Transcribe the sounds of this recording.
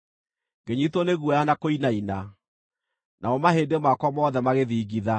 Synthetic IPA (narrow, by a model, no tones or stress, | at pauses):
ɡeɲitoneɣwɔjanakoinaina | nʔaɔmahedemakwɔmɔðɛmaɣeðiːɣiða